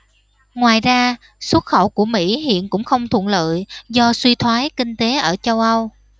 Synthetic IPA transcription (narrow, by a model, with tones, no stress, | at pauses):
ŋwaː˨˩jzaː˧ | swə˦˥t̚xə˧˩wku˧˩əmḭ˧˥ɦḭ˧˨ənkʊ̰˧˥ŋ͡mxə˧wŋ͡mt̪ʰw̰ənlə̰ː˧˨jzɔ˧swi˧t̪ʰwaː˨˦jkï˧ŋ̟t̪e˨˦ʔəː˧˩t͡ɕə˧wʔə˧w